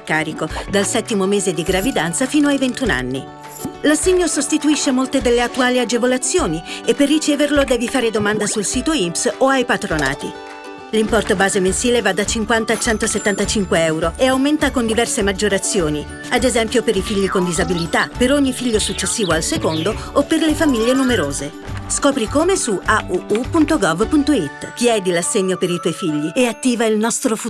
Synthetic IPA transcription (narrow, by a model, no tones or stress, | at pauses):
kaːɾikod̪alsɛt̪ːimomeːzed̪iɡɾavid̪ant̪safiːnoajvent̪una̰nːḭ | lasːeɲːosost̪it̪uiʃːemolt̪ed̪elːeat̪ːuaːliad͡ʒevolat̪sːjoːniepːerːit͡ʃɛːverlod̪ɛːvifaːɾed̪omand̪asulsiːt̪oimpsoajpat̪ɾona̰ːt̪i | limpɔrt̪obaːzemensiːlevad̪ːat͡ʃiŋkwant̪aːt͡ʃːɛnt̪oset̪ːant̪at͡ʃiŋkweɛwɾoʔeawment̪akond̪ivɛrsemad͡ʒːoɾat̪sːjoːni | ad̪ezɛmpjopeɾifiʎːikond̪izabilit̪apeɾoɲːifiʎːosut͡ʃːesːiːvoalsekond̪oopːerlefamiʎːenumeɾoːze | skɔːpɾikomesuʔaupunt̪oɡɔvpunt̪oit̪ːk̟iɛd̪ilasːeɲːopeɾit̪wɔjfiʎːieat̪ːiːvailnɔst̪ɾofu